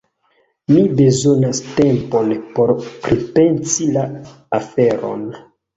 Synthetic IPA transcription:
mibe̞zo̞naste̞mpo̞npo̞ɾpɾipe̞nsila | afe̞ɾo̞̰n

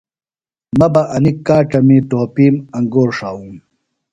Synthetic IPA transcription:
mɐbɐʔɐnikːaːʈɐmiʈoːpiːmɐŋɡoːɾʂaːum

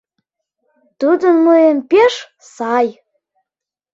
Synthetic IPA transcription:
t̪ud̪ənmoempeʃ | sɑj

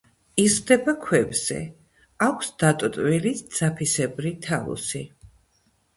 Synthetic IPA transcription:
izʁd̪ɛbakʰwɛbz̥ɛ̰ | akʷʰsd̪̥at̪ʼt̪ʼwilid̪z̥apʰisɛbɾit̪ʰaṵsi

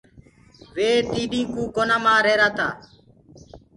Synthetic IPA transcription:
ʋeːt̪iːɗĩːkũːkoːnaːmãːɾeːɾaːt̪a̰ː

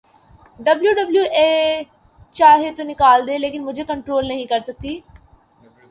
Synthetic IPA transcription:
ɖəbljuːɖəbljuːʔeː | t͡ʃaːɦeːt̪onɪkaːld̪eːleːkɪnmʊd͡ʒʱeːkəɳʈɾoːlnəɦĩːkəɾsək̚t̪iː

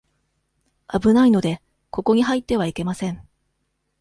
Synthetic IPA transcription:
abɯ̟naino̞d̪e̞ | ko̞ko̞ɲ̟iɦait̪ːe̞βaike̞masẽ̞ɴ

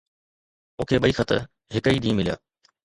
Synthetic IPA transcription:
ʊ̃kʰeːɓɐiːxɐt̪ə̰ | ɦɪkəiːɗ̪ĩːmɪlija̰ː

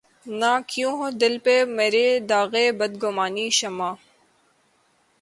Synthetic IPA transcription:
nãːkjũːɦõd̪ɪlpemeːɾeːd̪aːɣeːbəd̪ɡʊmaːniːʃɐmaː

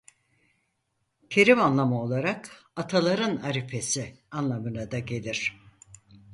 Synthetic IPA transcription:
cʰeɾimanlˠamao̞lˠaɾakat̪ʰalˠaɾɯnaɾipʰe̞sianlˠamɯnad̪aɟe̞lʲiɾ̥

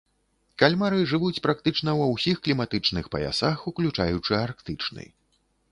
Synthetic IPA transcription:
kalʲmaɾɨʐɨvut͡sʲpɾakt̪ɨt͡ʂn̪ɐwɐwsʲixklʲimat̪ɨt͡ʂnɨxpɐ̰ja̰saxuklʲut͡ʂajut͡ʂɨarkt̪ɨt͡ʂnɨ̰j

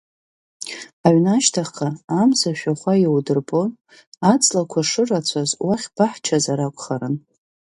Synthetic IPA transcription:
aɥnaʃtʰaχqaːmzaʃᶣaχʷajiwdɨrpʼo | at͡sʼlakʷʰaʂɨrat͡sʷʰazwaχʲb̥aħt͡ʃʰazaɾakʷʼχaɾɨn

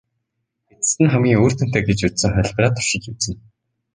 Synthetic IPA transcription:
et͡s̪ɘ̥̆st̪ɘ̆nχæmɡʲiːŋoːr̥t̪ɘ̆n̥t̪eːɡet͡ɕut̪sɘ̆ŋχœɮʲpraːt̪ʰʊ̥rʃɪ̆kiwsɘ̆n

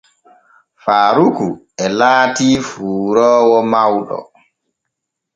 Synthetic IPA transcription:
faːɾuku | ɛlaːtiːfuːɾɔːwɔmawɗɔ̰

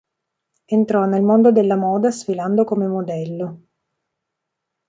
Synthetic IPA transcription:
ent̪ɾɔnːelmond̪od̪elːamɔːd̪asfiland̪okomemod̪ɛlːo

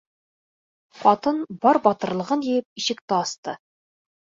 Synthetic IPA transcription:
χɒt̪ɤnbɒɾbɒt̪ɤ̆ɾlˠɤ̆ʁɤnjĕjɘp̚iʃɘ̆k̚t̪ɘɑst̪ɤ

